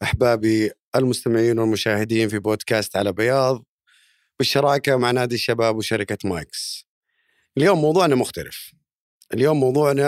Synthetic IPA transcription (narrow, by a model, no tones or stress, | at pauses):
ʔaħbaːbiʔɪlmʊst̪amɪʕiːnwɪlmʊʃaːhɪd̪iːnfiboːd̪kaːst̪ʕalabɪjɑːðˤ | bɪʃːɑɾˤɑːkawmaʕnaːd̪iʃːabaːbwʃaɾɪkama̰ːks | ʔɪljoːmːɑwðˤuːʕnamʊxt̪alɪ̰f | ʔɪljoːmːɑwðˤuːʕna